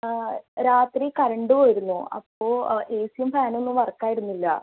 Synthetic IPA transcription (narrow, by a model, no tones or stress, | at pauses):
ɾaːt̪rikɐɾɐɳɖɨooːjiɾunːuɐ̰pːoːʔeːsijɐmfaːno̞nːuʋɐrkːaːjiɾunːilːɐ̰